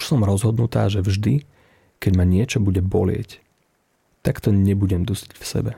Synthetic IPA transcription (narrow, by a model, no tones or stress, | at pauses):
ʃsɔmɾɔzɦɔd̪nut̪aːʒɛvʒd̪i | kɛɟmaɲɪɛt͡ʃɔbuɟɛbɔ̰lɪɛ̰c | t̪akt̪ɔɲɛbuɟɛmd̪usicfsɛ̰bɛ